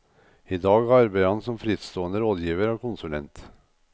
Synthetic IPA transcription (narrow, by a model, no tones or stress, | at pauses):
id̪ɑːɡɑɾbæɪhɑnsɔmfɾɪːt̪st̪oːənd̪əɾoːd̪jiːʋəɾoːkʊnsʉlɛ̰nt̪